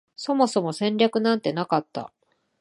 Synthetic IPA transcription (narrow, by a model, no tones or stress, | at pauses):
so̞mo̞so̞mo̞sẽ̞ɲɾʲakɯ̟nãnt̪e̞nakat̪ːa̰